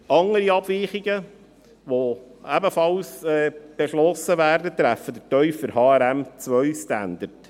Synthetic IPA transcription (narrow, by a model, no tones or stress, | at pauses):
ɑŋəɾiɑb̥viːχiɡə | ʋoæbəfɑlsɛːb̥eʃlɔsəvæːrdət̪ɾæfəd̪ətœʏfəɾhɑːæɾæmt͡sʋœɥstænd̥̪əɾt